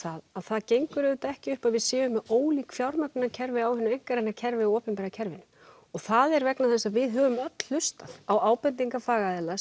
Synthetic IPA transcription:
θaðaðθaðcejŋkʏɾʏʏt̪aɛhcɪʏhpaðvɪðsɛːvʏmːɛoːwliːkfjawɾmœknɪnacʰɛɾvɪawhʏnːʏmejŋ̥kaɾenːacʰɛɾvɪaɔːpɛmpɛɾacʰɛɾvɪn | ɔɣθaðɛɾvɛknaθɛsːaðvɪðɦœːvʏmœt̪lʏst̪aðawaːwpɛnt̪iŋkafaːɣaðɛːla

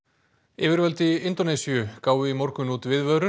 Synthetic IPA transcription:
ɪːvɪɾvœlt̪ɪɪnt̪ɔnɛsijʏkaːwvɪimɔɾkʏnut̪vɪðvœðɾʏ

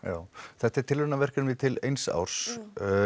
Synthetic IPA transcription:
jaːwθɛht̪ɛɾ̥t̪ʰɪlvʏnavɛr̥kʏnvɪt̪ʰɪlḛjnsa̰wɾ̥s

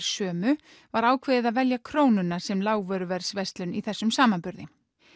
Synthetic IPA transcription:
ɾ̥sœːmʏ | vaɾaːwkʰvɪːðɪðaðvɛljakʰɾoːwnʏnasɛmlaːwvœɾʏvɛɾ̥svɛst̪lʏniθɛsːʏmsaːmanpʏɾðɪ

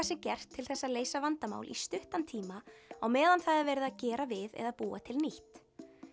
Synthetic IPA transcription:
asɛmcɛr̥t̪ʰːɪlθɛsːaleːjsavant̪ama̰ːwlʔḭst̪ʏht̪ant̪ʰiːmaawmɛːðanθaðaɾvɛɾɪðacɛːɾavɪðɛ̰ðapuːat̪ʰɪlniht̪

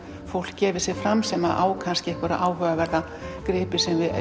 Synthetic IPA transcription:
fowl̥kcɛːvɪ̥sjɛɾfɾamsɛmaðʔa̰ːwkʰanscɪɛhkvʏɾa̰ʔaːwɦœːɣavɛɾða | kɾɪːpɪ̥sɛmvɪð

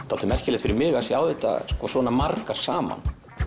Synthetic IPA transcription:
θat̪ʏmɛr̥hcɪlɛt̪fɪɾɪɾmɪːɣasjawðɛt̪a̰skɔsɔːnamarkaɾ̥saːma̰n

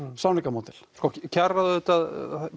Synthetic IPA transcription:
sawnikamoːt̪ɪl̥skɔcʰɛrːaðʏʏht̪að

